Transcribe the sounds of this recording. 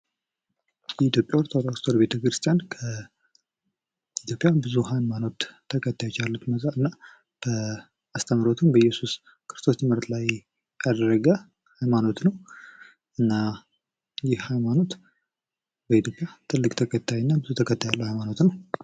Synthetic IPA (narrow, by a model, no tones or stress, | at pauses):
jɛit̪jo̞pʼːjawɾt̪ʰoɾst̪ʰoɾbe̞t̪ʰəkɾɨst̪ʰijankʰə | it̪ʰjo̞pʼjabɨzuhajmano̞t̪ʰː | əkʰət̪ːajt͡ʃalːut̪mət̪ʼaɨnːa | b̥ə | ast̪ʰəmɾot̪ʰɨmbəjɛsus | kʰɨɾɨst̪ʰo̞st̪ʰɨmɨɾt̪ʰlaj | jad̪ərəɡə | hajmano̞t̪nəw | ʔɨnːa | jɪhhajmano̞t̪ | bəit̪ʰjopʼjat̪ʰɨlːɨkʼt̪ʰəkʰʼət̪ʰːajnːabɨzut̪ʰəkʰət̪ʰːajalːəwhajmano̞t̪nəw